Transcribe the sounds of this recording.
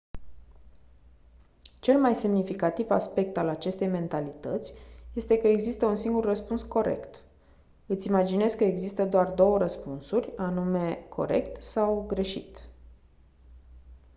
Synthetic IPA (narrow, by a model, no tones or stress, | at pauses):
t͡ʃe̞lmajse̞mnifikat̪iva̰spe̞k̚t̪alat͡ʃe̞st̪e̞jme̞nt̪alit̪ət̪sʲje̞st̪e̞kəeɡzist̪əunsiŋɡurrəspunsko̞ɾe̞̰kt̪ | ɨt̪sʲimad͡ʒine̞skəeɡzist̪əd̪oard̪o̞wəɾəspunsurʲanume̞kʰo̞̰ɾe̞̰kt̪sawɡɾe̞ʃḭt̪